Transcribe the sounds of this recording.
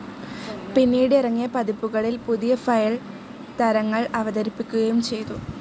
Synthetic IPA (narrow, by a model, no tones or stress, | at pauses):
pinːiːɽirɐŋːijɐpɐd̪ipːuɣɐɭilpuðijɐfɐjɐɭ | t̪ɐɾɐŋːɐɭɐʋɐd̪ɐɾipːikʲːuɣɐjumt͡ɕe̞jt̪u